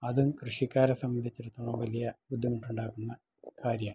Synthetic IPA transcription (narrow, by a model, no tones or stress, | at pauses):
ɐðumkrɨʂikːaːɾɐsɐmːɐnd̪ʱit͡ɕːeɾut̪ːɐɭɐmʋɐlijɐbud̪ʱːiŋːiuʈːuɳɖaːkunːɐ | kaːɾjɐm